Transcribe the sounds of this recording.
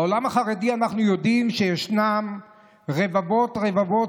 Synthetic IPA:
olamaχaʁedianaχnujodimʃejeʃnam | ʁevavo̞tʁe̞vavo̞

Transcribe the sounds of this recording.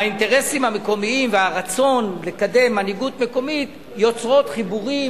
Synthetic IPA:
ainteʁe̞simhame̞ko̞miimveaʁat͡so̞nle̞kade̞mːaniɡutme̞ko̞mit | jo̞t͡sʁo̞t̪χibuʁi

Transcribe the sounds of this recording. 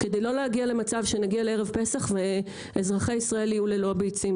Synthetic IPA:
ke̞d̪ejlo̞lehaɡiale̞mat͡savʃe̞naɡialee̞ʁevpe̞saχve | ezʁaχeisʁaeliuleloabejt͡sim

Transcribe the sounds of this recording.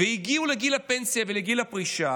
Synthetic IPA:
vehiɡiuleɡilapensiaveleɡilapʁiʃa

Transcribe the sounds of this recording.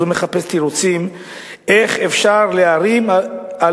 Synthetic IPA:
veme̞χape̞st̪iɾot͡sim | ʔeχefʃaʁleaɾima

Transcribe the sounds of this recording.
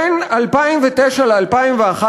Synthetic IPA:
nalpaimvet̪ɛʃalealpaimveaχa

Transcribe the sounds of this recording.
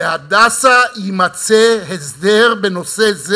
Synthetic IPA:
ehad̪asaimat͡sehezdeʁbeno̞sez

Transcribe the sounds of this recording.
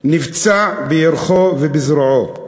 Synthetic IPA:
nivt͡saʕbejɛɾχovɛbizɾʕo

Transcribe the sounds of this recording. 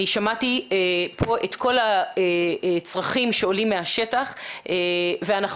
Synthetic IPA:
iʃamatipʰo̞ʔet̪kʰo̞laet͡sʁaχimʃeolimːeaʃe̞taχeveanaχ

